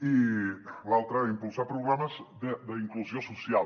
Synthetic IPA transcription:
ilalˠt̪ɾəimpulˠsapɾuɣɾaməzd̪əd̪əiŋkluzjosusjal

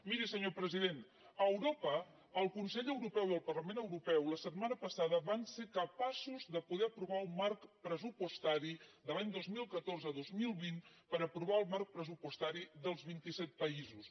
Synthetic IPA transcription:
miɾisəɲopɾəziðen | əwɾopəː | lˠkunsɛʎəwɾupɛwiəlˠpərləmenəwɾupɛwləsət̪manəpəsaðəβanseɾkəpasuzðəpuðɛəpɾuβaumarkpɾəzupust̪aɾiðəlaɲd̪ozmilˠkət̪orzəðozmilˠβin | pəɾəpɾuβaəlˠmark̚pɾəzupust̪aɾiðəlˠzβint̪isɛt̪̚pəizus

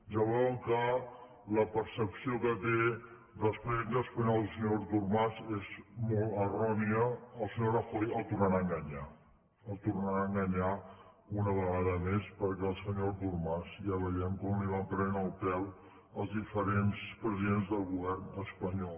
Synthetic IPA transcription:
ʒəβɔkə | ləpəɾsəpsiokət̪e | ðəlspɾðend̪əspəɲɔlˠsəɲoɾt̪urmazezmɔlˠt̪ərɔniəːlˠsəɲoɾəfɔjəlˠt̪urnəɾaəŋɡəɲa | əlˠt̪urnəɾaəŋɡəɲa | unəβəɣaðəmespəɾkɛəlˠsəɲoɾt̪urmazjaβəjɛmkɔmliβampɾɛnəlˠpɛw | əlˠzðifəɾenspɾəziðenzðəlˠɣuβ̞ɛrnəspəɲɔl

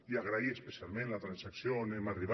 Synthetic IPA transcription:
iaɣɾaiespesialˠmẽnlat̪ɾansaksjonemariβ

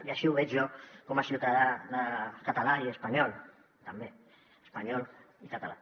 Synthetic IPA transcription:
iaʃiuβɛd͡ʒjɔkɔmasiuwt̪aðaðəkət̪alaiəspaɲɔlˠ | t̪əmbe | əspaɲɔlˠ | ikət̪ala

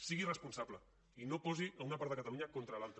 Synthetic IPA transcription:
siɣirəspunsaβlə | inopɔziəunɐpaɾt̪ðəkat̪ɐluɲakont̪ɾəlalˠt̪ɾə

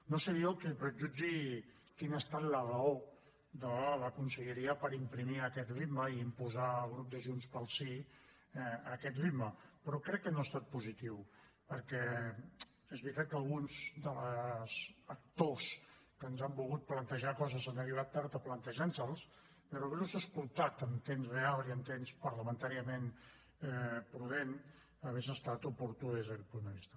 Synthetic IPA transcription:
nosəβiəlˠkɛpɾəʒud͡ʒi | kinəst̪at̪lərəo | ðələkunsəʎəɾiəpəɾimpɾimiəkɛt̪rid̪məiːmpuzaəlˠɣɾup̚d̪əʒunspəlˠsi | ɛəkɛt̪riməpəɾɔkɾɛkːənoast̪at̪̚puzit̪iw | pəɾkɛ | ezβɾit̪at̪̚kəlˠɣunzd̪ələzək̚t̪oskənzambulˠɣut̪̚plənt̪əʒakɔzəzanəriβ̞at̪ːaɾt̪əplənt̪əʒansəlˠs | peɾoβɛɾuzəskulˠt̪ak̪əmt̪emsrealˠiənt̪emspəɾləmənt̪aɾiəmen | ɛpɾuðen | əβezəst̪at̪upuɾt̪uðezðəkɛt̪̚pund̪əβist̪ə

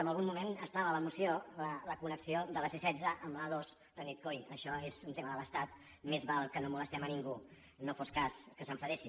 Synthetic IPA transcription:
əmbəlˠɣumːumenəst̪aβələmusiolələkunəksiod̪ələsesɛdd͡zəʔəmlaðoz | rənit̪̚kojəʃɔezunt̪eməðələst̪at̪ | mezβalˠkənomuləst̪ɛməniŋɡu | nofɔskaskəsəɱfəɾɛsi

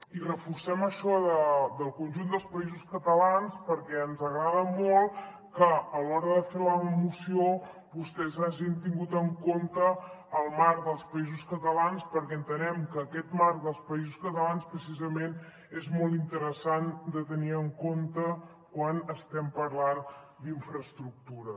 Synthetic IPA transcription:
irəfuɾsɛməʃɔðəd̪əlˠkunʲʒund̪əlˠspəizuskət̪əlanspəɾkɛənzəɣɾaðəmɔlˠ | kəːlɔɾəðəfewləmusio | βust̪ɛzaʒint̪iŋɡut̪əŋkont̪əːlˠmaɾd̪əlˠspəizuskət̪əlanspəɾkɛənt̪ənɛmkəːkɛt̪maɾðəlˠspəizuskət̪əlanspɾəsizəmen | ezmɔlˠt̪int̪əɾəsand̪ət̪əniəŋkont̪ə | kwanəst̪ɛmpəɾlan | d̪iɱfɾəst̪ɾuk̚t̪uɾə

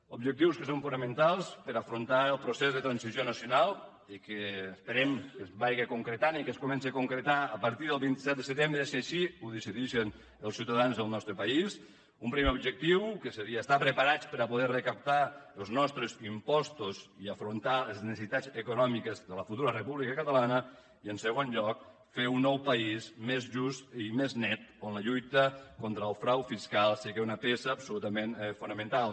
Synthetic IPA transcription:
ubʒək̚t̪iwskəsoɱfunamənt̪alˠspəɾafɾunt̪aəlˠpɾusezðət̪ɾansizjonəsjunalˠ | ikəːspəɾɛmkəzβajɣəkuŋkɾət̪anikəskumɛnsiakuŋkɾət̪aːpəɾt̪iðəlˠβint̪i̥sɛt̪̚d̪əsət̪embɾəsiaʃiuðisiðiʃen | əlˠsiwt̪aðanzðəlˠnɔst̪ɾəpais | umpɾimeubʒək̚t̪iwkəsəɾiaːst̪apɾəpaɾat͡spəɾapuðɛrəkap̚t̪aəlˠznɔst̪ɾəzimpɔst̪uziəfɾunt̪aləznəssit̪ad͡zəkunɔmikəzðələfut̪uɾərəpuβlikəkət̪əlanə | iənsəɣonʎɔk̚ | feunːɔwpəismezʒust̪imeznɛt̪̚onləʎujt̪əkont̪ɾəːlˠfɾawfiskalˠsiɣeunəpesəːpsulut̪əmenfunəmə̃nt̪alˠ

